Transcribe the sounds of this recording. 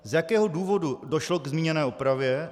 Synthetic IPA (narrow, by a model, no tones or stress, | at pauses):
zjakɛːɦo̞duːvo̞dudo̞ʃlo̞ɡzmʲiːɲɛnɛːupɾavjɛ